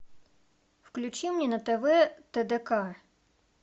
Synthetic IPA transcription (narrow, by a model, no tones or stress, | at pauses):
wklʲut͡ʃimnʲinɐt̪eʋɛt̪ed̪ekɑ